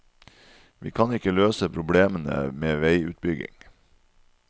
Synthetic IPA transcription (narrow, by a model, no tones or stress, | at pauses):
ʋḭːkʰɑnɪkəløːsəpʰɾʊbleːmənə̰meːʋæɪʉ̰ːt̪̚bʏɡɪ̰ŋ